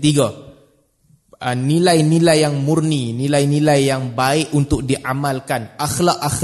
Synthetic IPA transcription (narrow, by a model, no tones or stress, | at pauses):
t̪iɡa | ənilajnilajːaŋmurninilajnilajːaŋbaɪʔunt̪ʊk̚diʔamalkanaxlakax